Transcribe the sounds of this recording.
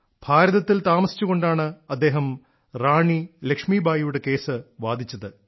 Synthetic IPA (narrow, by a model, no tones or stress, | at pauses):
b̥ʱaːɾɐðɐt̪ːilt̪aːmɐsi̥t͡ɕːuɣo̞ɳɖaːɳɨɐd̪ːe̞ːɦɐm | raːɳilekʂmiːbʱaːjjuɽe̞ke̞ːsɨʋaːd̪ʱit͡ɕːɐðɨ